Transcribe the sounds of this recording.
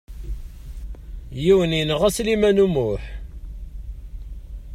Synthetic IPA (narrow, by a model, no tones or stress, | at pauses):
jiwənjənʁæslimænumʊħ